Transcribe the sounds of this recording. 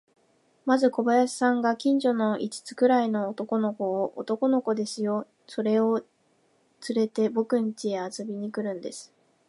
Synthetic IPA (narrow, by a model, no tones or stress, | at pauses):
mazɨko̞bajaɕi̥sãŋɡakʲĩɲ̟d͡ʑo̞no̞ʔit͡ɕi̥t͡sɨ̥kɯ̟ɾaino̞ːt̪o̞ko̞no̞ko̞ːʔo̰t̪o̞ko̞no̞ko̞d̪e̞sɨjo̞ | so̞ɾe̞o̞ | t͡sɨɾe̞t̪e̞bo̞kɯ̟̃ɲ̟it͡ɕieat͡sɨbʲiɲ̟ikɯ̟ɾɯ̟̃nd̪e̞sɨ̥